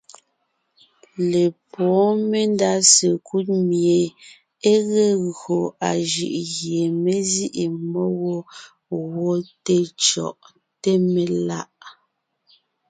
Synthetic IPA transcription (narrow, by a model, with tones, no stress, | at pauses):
le˨pʰɔː˨˦me˦nda˦se˨kʰu˦t̚mje˨ | e˦ɣe˦ɣɰo˨a˨ʒɯ̰˨ʔɣje˨me˦zi˦ʔi˨mɔ˦wo˦ | wɔ˦te˦t͡ʃɔ̰˨ʔ | te˦me˨la˦ʔ